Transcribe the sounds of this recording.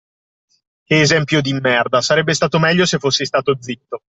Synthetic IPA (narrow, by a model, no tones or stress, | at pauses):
k̟eːzɛmpjod̪imːɛrd̪asaɾɛbːest̪aːt̪omɛʎːosefːosːest̪aːt̪od̪zːit̪ːo